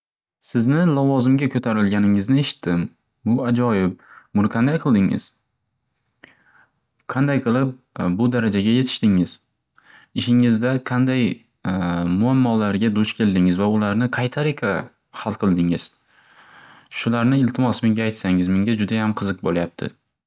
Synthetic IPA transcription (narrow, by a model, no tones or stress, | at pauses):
sɪznɪlavɒzɪmɡʲakʰɵt̪ʰaɾɪlɡʲanɪŋɪznɪeʃɪ̥t̪ʰːɪm | bʊad͡ʒɒjɪp̚mʊnqʰɑnd̪ajqʰɨlˠd̪ɪŋɪ̰z̥ | qʰɑnd̪ajqʰɨlˠɪp̚ | bʊd̪aɾad͡ʒaɡʲaje̞t̪ʰɪ̥ʃt̪ɪŋɪz̥ | ɪʃɪŋɪzd̪aqʰɑnd̪aj | mʊamːɒlaɾɡʲad̪ʊʃkʲʰe̞ld̪ɪŋɪzvaʊlaɾnɪqʰɑjt̪ʰaɾɪkʲʰa | hɑlˠqʰɨlˠd̪ɪŋɪz̥ | ʃʊlaɾnɪɪlt̪ʰɪmɒsme̞ŋɡʲaːjt̪saŋɪzme̞ŋɡʲad͡ʒʊd̪ajamqʰɨzɨq̚bolajap̚t̪ʰɪ̰